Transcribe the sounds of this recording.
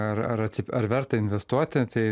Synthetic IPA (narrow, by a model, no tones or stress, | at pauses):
ɐɾɐɾɐt̪ʲsʲɪpɐɾʋʲɛɾt̪ɐɪnʲʋʲɛst̪uɔt̪ʲɪt̪ɐɪ